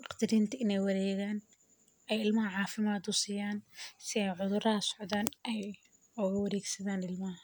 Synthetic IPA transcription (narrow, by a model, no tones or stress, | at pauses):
ɑqt̪ɪɾiːnt̪ʰɐɪnɛjwɐɾɛːɣaːn | ɛjɪlmɐɦɐʕɑːfɪmaːd̪ʊsiːjaːnsɪɛjʕʊðʊrɐɦɐsʊʕʊðaːnʔɛj | ɔɣɐwɐɾɛːɡsɐðaːnɪlmɐɦɐ